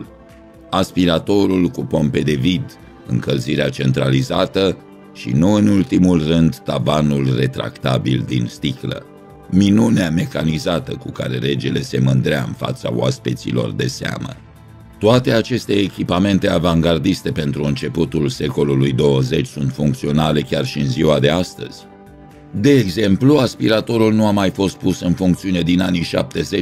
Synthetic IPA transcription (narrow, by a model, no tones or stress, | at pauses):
aspiɾat̪o̞ɾulkupo̞mpe̞d̪e̞vid̪ | ɨ̰ŋkəlziɾeat͡ʃe̞nt̪ɾalizat̪ə | ʃḭnuɨnult̪imulrɨnd̪ːavanulre̞t̪ɾa̰kt̪a̰bild̪ḭnst̪iklə̰ | minuneame̞kanizat̪əkuka̰ɾe̞̰ɾe̞d͡ʒele̞se̞mɨnd̪ɾeaɨ̰nfa̰t̪sa̰o̰a̰spit̪sḭlo̞̰rd̪e̞sea̰mə̰ | t̪oat̪e̞at͡ʃe̞st̪e̞ːkʲipame̞nt̪e̞avaŋɡard̪ist̪e̞pe̞nt̪ɾuɨnt͡ʃe̞put̪ulse̞ko̞lulujd̪o̞wəze̞t͡ʃʲsunt̪fuŋk̚t̪sio̞nale̞kʲarʃiɨnziwad̪e̞ast̪ə̰z̥ʲ | d̪e̞ːɡze̞mpluaspiɾat̪o̞ɾulnuamajfo̞st̪̚pusɨnfuŋkt̪siune̞d̪inaniʃa̰p̚t̪e̞ze̞t͡ʃ